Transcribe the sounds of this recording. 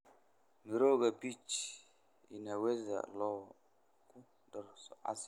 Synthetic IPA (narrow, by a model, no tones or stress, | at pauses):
miɾoɡabit͡ʃ | ḭnaweza̰lɔ | ku | dɔɾsɔʔa̰s